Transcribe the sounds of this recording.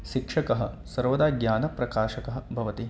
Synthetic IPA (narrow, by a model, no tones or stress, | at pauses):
ʃikʂɐkɐɦɐ̰̆ | sɐɾʋɐd̪aːɡjaːnɐpɾɐkaːʃɐkɐɦɐbʱɐʋɐt̪i